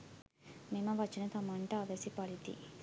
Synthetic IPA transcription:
mimɐʋɐt͡ʃːinɐt̪ɐmɐɳʈaːʋesipɐɽit̪ḭ

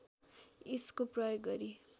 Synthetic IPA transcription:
iskoprʌjoɡɡʌɾi

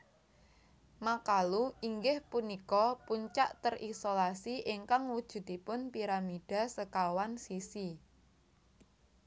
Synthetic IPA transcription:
makaluʔiŋɡɪhpunikɔpuɲt͡ʃa̰ʔt̪ərʔisolasiʔɪŋkaŋwud̥ʒ̥ṳt̪ipʊnpiɾamiɖ̥a̤səkawansisi

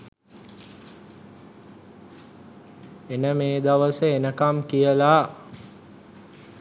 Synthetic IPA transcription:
enəmeːd̪aʋəsəenəkamkijəlaː

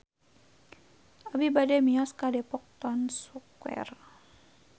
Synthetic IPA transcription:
abibadɛmiɔskadɛpɔk̚t̪ɔnsukwɛ̰r

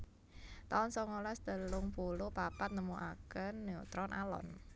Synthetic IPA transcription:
t̪aʊnsɔŋolɛsd̪̥ə̤lʊŋpulupapat̪̚nəmuʔakənːeut̪ɾɔnʔalɔ̰n

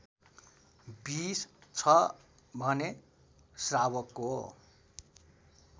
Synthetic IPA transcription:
bist͡sʰʌ | bʱʌne | srawʌkːoɦo

